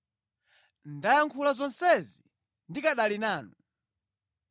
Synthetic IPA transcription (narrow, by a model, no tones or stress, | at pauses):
ndajaŋkʰulazɔnsɛzi | ndikaɗalinaːnu